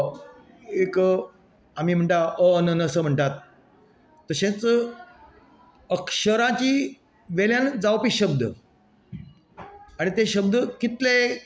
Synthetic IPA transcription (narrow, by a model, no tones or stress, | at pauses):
ek | am̤iːm̤əɳʈaʔənənəsəm̤əɳʈat̪ː | əɕẽt͡sə | əkʂəɾãt͡ɕiː | ʋeljãnd͡zaʋpiːɕəb̚d̪ə | aɽ̃it̪eɕəb̚d̪əkit̪le